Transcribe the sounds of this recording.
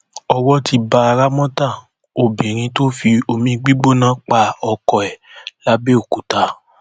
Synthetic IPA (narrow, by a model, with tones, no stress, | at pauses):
ɔ˧wɔ˦ti˧ba˧a˧ɾa˦mɔ̃˦ta˦˨ | o˨bẽ˨ɾ̃ĩ˧to˦fi˧o˧mĩ˦ɡ͡bi˦ɡ͡bo˦˨nãː˨˦k͡pa˦˨ɔ˧kɔ˧ɛ˨la˨˦be˦o˨ku˨ta˨˦